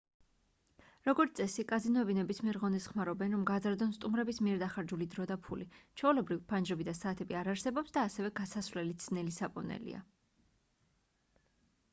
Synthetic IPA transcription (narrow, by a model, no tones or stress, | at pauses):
ɾɔɡɔɾt̪sʼɛsikʼazinɔɛbinɛbismiɛɾʁɔnisχmaɾɔbɛnɾɔmɡad̪zaɾd̪ɔnst̪ʼumɾɛbismiɛɾd̪aχaɾd͡ʒulid̪ɾɔd̪apʰulit͡ʃʰɔulɛbɾivpʰand͡ʒɾɛbid̪asaːt̪ʰɛbiaɾaɾsɛbɔpsd̪aːsɛvɛɡasasvlɛlit̪snɛlisapʼɔ̰nɛ̰lḭa̰